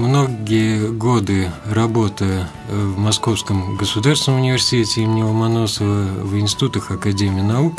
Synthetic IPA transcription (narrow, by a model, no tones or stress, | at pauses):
mnoɡʲijəɡo̞d̪ɨrɐbo̞t̪ə | vmɐsko̞fskəmɡəsʊd̪arsʲɪnəmʊnʲɪvʲɪrsʲɪ̥tʲetʲɪimʲnʲɪmɐno̞səvəvɪnsʲɪ̥t̪ut̪əxɐkɐdʲemʲɪiːnɐuk